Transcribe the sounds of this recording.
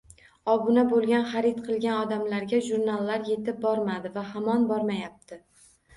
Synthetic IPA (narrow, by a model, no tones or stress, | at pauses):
ɒbʊnabolˠɡʲanχaɾɪt̪qʰɨlˠɡʲanɒd̪amlaɾɡʲaʒuɾnalˠːaɾje̞t̪ʰɪp̚bɒɾmad̪ɪvahamɒnbɒɾmajap̚t̪ʰɪ